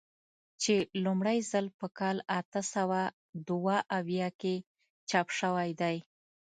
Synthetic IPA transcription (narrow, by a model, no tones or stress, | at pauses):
t͡ʃelumɽajzəlpəkɑlat̪əsawa | d̪waʔawjɑke | t͡ʃɑpʃəwajd̪aj